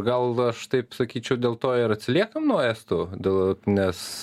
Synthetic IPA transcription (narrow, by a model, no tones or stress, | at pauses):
ɡɐlˠɐʃt̪ɐɪpsɐkʲiːt͡ʃʲɛʊd̪ʲeːlˠt̪oːɪɾɐt̪ʲsʲɪlʲiɛkɐmnuɔæːst̪oːd̪ʲeːlˠnʲɛs